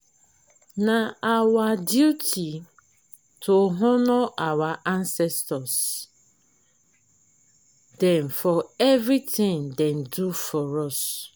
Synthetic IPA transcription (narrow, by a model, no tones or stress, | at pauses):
naawadjutʰi | tʰoɦʊnʊʔawaʔansɛstɔs | dɛ̃nfɔevɾitɪ̃ŋdɛn̩dufɔɾɔs